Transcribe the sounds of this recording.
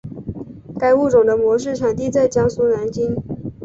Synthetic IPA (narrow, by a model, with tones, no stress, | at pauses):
ka˥ɪu˥˩ʈ͡ʂʊ˨˩ŋd̪ə˦mwɔ˧˥ʂ̬ɻ̩˥˩ʈ͡ʂʰɑ˨˩ŋt̪i˥˧t͡sa˥˩ɪt͡ɕjɑ˥ŋsu˥na˧˥nt͡ɕi˥n